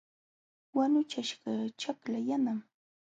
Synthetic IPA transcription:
wanʊt͡ʃaʃɢɑt͡ʃaklajanam

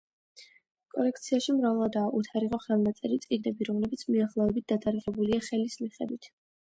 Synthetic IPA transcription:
kʼɔ̰lɛkʰt̪sʰiaʃimɾavɛlˠad̪aːʔut̪ʰaɾiʁɔχɛlˠnat̪sʼɛɾit̪sʼiɡnɛbiɾɔmlɛbit̪sʰmiaχlˠɔɛbit̪̚d̪at̪ʼaɾiʁɛbuliaχɛlismiχɛ̰d̪wit̪ʰ

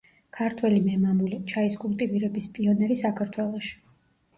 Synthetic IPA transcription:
kʰaɾt̪ʰwɛlimɛmamulit͡ʃʰaiskʼulˠt̪ʼiviɾɛbispʼiɔnɛɾisakʰaɾt̪ʰwɛlˠɔʃi̥

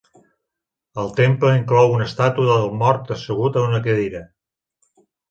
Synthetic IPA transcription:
əlˠt̪empləiŋklɔwunəst̪at̪uðəlˠmɔɾt̪əsəɣ̞ut̪əunəkəðiɾə

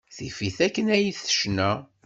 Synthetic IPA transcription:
θifiθækːənæjiθə̥ʃnæ

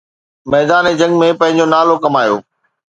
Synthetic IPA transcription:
mɛːd̪aːned͡ʑɐ̃ŋɡmẽpɐ̃ɦɪ̃ɲd͡ʑonaːlokɐmaːjo̰ː

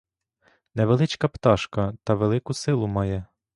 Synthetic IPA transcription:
nɛʋelˠɪt͡ʃkɐpt̪ɑʃkɐt̪ɐʋelˠɪkʊsɪlˠʊmɑjɛ

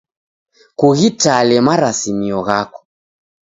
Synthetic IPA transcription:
kuɣitalɛmaɾasimiɔɣakɔ̥

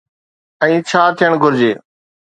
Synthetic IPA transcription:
ə̃ĩːt͡ʃʰaːt̪ʰijəɳɡʱʊɾd͡ʑeː

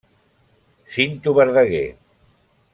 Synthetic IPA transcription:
sint̪uβeɾðəɣḛ

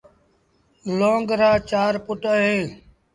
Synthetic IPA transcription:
lõːŋɡɾaːt͡ʃaːɾpʊʈəɦẽː

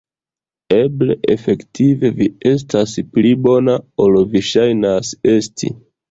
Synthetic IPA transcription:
e̞ble̞ʔefe̞ktʰive̞vie̞s̬tasplibo̞nao̞lviʃajnase̞stʰḭ

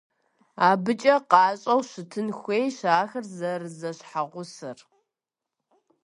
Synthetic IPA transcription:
aːbɨt͡ʃʼɐqɑːɕʼɐwɕɪtʰɨnxʷeːjɕaːxɐrzɐrɨzɐɕħaʁʷʊsɨr

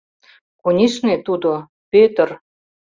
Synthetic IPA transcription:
kunʲiʃnet̪ud̪o | pøt̪ə̆r

